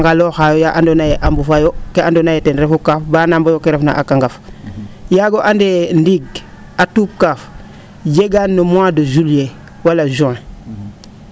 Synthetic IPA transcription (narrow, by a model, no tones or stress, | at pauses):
ŋɡaloxajojaʔandonajeʔambufajokeadonajeteɾefukafbaːnambojokeɾefna̰ʔakaŋɡaf | jaɡoʔandendiɡ | atup̚kaf | jeɡanːomwadozulje | walaʒue